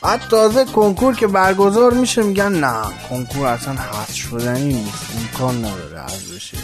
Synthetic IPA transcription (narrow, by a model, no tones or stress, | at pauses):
æd̪t̪ʰːɒːzekʰoŋkʰuɾcʲʰe̞bæɾɡozɒːɾmiʃemiːɟænːækʰoŋkʰuɾæsænhæsʃod̪æniːnisemkʰɒːnːæd̪ɒ̰ːɾḛʔæ̰zeʃe